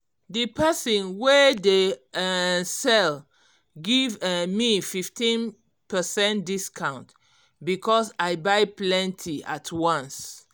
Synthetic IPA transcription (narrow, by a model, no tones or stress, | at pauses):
dəpʰɛsɔ̃nwede | sɛl | ɡivmififtĩn | pəsɛ̃ntdiskʰãʊ̃nt | bikʰɔsajbajplɛ̃ntʰiatʰwãns